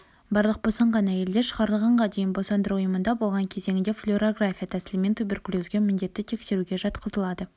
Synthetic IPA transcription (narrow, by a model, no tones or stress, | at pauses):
bɑɾlˠəq̚b̥o̞sɑɴʁɑnæje̞ld̪e̞ɾʃəʁɑɾəlˠʁɑɴʁɑd̪e̞jɪnbo̞sɑnd̪əɾuʊjəmənd̪ɑbolˠʁɑŋkʲʰe̞ze̞ŋɪnd̪e̞flʲoɾoɡrafʲijat̪ʰæsɪlɪme̞nt̪ʰubʲe̞rkulʲuzɡʲe̞mʏnd̪e̞t̪ːɪt̪ʰe̞kse̞ɾuɡʲe̞ʒɑt̪qəzəlˠɑd̪ə